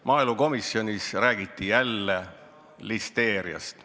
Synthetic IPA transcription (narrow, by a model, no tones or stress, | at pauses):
mʔɑːilmuko̞misːjo̞nʲisræːɡ̥it̪ːijælːe | list̪e̞ːɾiɑ̰st̪